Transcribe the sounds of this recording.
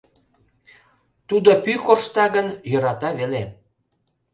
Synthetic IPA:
t̪ud̪opykoʃt̪ɑɣənjɤɾɑt̪ɑβele

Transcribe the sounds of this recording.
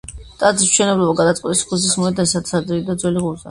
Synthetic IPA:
t̪ʼad̪zisʃɛnɛblˠɔbaɡad̪at̪sʼqʼɛt̪ʼiskʰusismɔɛd̪anisat̪sad̪ɾiid̪ad̪zwɛliʁuɾza̰

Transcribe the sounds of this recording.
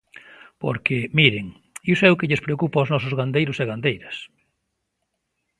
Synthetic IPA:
po̰ɾkɪmiɾɪŋ | iwsɛʊkɪʎɪspɾeokupaʊznɔsʊzɣand̪ejɾʊseɣand̪ejɾɐs

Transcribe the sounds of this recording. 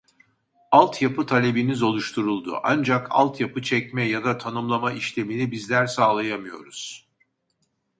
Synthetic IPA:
alˠt̪ʰjapʰɯt̪ʰalʲe̞binizo̞lˠuʃt̪ʰuɾulˠd̪ṵʔa̰nd͡ʒakʰa̰lˠt̪japɯt͡ʃʰɛcmɛjad̪at̪ʰanɯmlˠamaʔiʃlʲe̞minibizlʲæɾsaːlˠajamɯjo̞̰ɾuz̥

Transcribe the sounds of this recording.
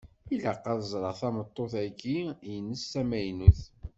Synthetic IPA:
iləqːɑðəzˤɾˤɑʁθæmət̪ˤːoθæɡijənːəsːæmæjnuθ

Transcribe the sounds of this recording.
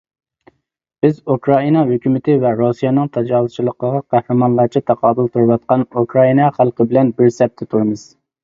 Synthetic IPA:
b̥ɪzukɾɑinɑɦøkʲymɪt̪ʰɪvɛɾusijɛnɨŋt̪ʰɑd͡ʒɑːwust͡ʃʰilˠəqəʁɑqæhɾɨmɑnlˠɑɾt͡ʃʰit̪ʰɑqʰɑːb̪ɨlˠt̪ʰuɾɨwɑt̪̚qɑnukʰɾɑinɑχælˠqəbɪlɛnbɪɾsɛp̚t̪ʰɪt̪ʰuɾɨmɨz̥

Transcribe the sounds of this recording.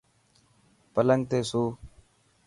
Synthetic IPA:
pələŋɡ̚t̪eːsuː

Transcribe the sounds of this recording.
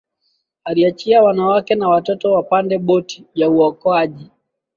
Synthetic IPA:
aliat͡ʃiawanawakɛnawatɔtɔwapandɛɓɔtijauɔkɔaʄi

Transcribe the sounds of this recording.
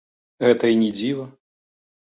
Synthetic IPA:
ɣɛt̪ɐinʲid͡zʲivɐ

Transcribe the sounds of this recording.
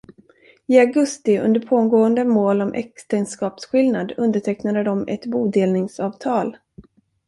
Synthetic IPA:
ɪaɡɵst̪ɪɵ̰nd̪əɾpʰoːnɡoːənd̪əmoːlɔmʔɛ̰kst̪ɛnskɑːpsɧɪlnad̪ɵnd̪əʈʰɛknad̪əd̪ɔmɛ̰t̪buːd̪eːlnɪŋsɑːvt̪ʰɑːl

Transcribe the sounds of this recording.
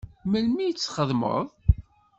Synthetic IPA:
məlmijət͡sːχəðˤmə̰ðˤ

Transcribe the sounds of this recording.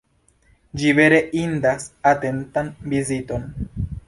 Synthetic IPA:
d͡ʒive̞ɾe̞ʔindasate̞ntanvizito̞n

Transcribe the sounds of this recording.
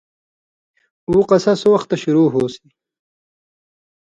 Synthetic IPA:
uːqɐsɐsowɐxt̪ːɐɕuɾuːɦoːsi

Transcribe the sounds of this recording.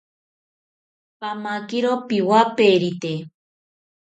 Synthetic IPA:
pamakiɾopiwapeɾit̪e

